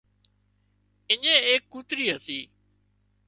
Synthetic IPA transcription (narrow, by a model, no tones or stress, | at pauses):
ɪɲẽːeːkːuːt̪ɾiːɦət̪iː